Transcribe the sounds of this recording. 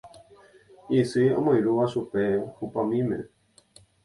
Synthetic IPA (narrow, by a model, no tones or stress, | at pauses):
isɨõ̰mõjɾuʋaʃupe̞hupamĩmḛ̃